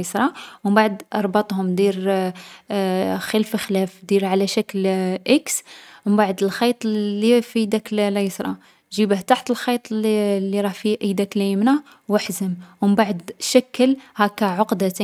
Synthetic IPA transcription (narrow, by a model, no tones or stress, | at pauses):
sɾˤɑwəmbaʕəd̪ʔɑɾˤbɑt̪ˤhʊmd̪iɾ | xəlfəxlæfd̪iɾʕalæʃæklʔəksəmbaʕd̪əlxɑjt̪ˤlːifid̪ækllæjsɾˤɑ̰ | ʒibəht̪aħt̪əlxɑjt̪ˤlːiɾˤɑhfiʔəjd̪æklæjəmna | wəħzəmwəmbaʕəd̪ʃækːəlhækːæʕoqd̪æt̪æ